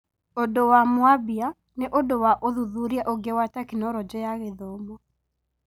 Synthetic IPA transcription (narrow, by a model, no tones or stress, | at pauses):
odowamwabia | neʔodowaʔoðuðuɾiaʔoɡewatakinɔɾɔd͡ʒɔjaɣeðomɔ